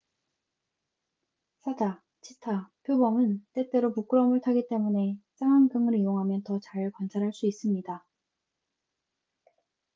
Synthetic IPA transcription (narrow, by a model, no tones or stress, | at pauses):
s͈ʰada | t͡ɕʰitʰapʰjobʌmɯnt͈e̞t͈e̞ɾopuk͈ɯɾʌmɯɭtʰaɡit͈e̞mune̞s͈ʰaŋaŋɡɯŋɯɾijoŋɦamjʌntʌt͡ɕaɭkwant͡ɕʰaɾɦaɭs͈uis͈ɯmɲida